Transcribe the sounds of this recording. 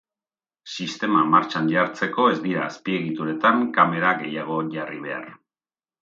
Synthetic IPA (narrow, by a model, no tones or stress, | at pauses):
sist̪e̞mamaɾt͡ʃanʎaɾt͡se̞ko̞e̞zd̪iɾaːspie̞ɣit̪uɾe̞t̪aŋkame̞ɾaɣe̞jaɣ̞o̞ʝariβ̞e̞̰a̰r